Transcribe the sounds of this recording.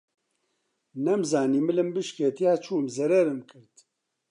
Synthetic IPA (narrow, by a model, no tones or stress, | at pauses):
nɛmzaːniːmɨlɨmbɨʃket̪ʰijaːt͡ʃʰuːmzɛɾɛɾɨmkʰɨɾt̪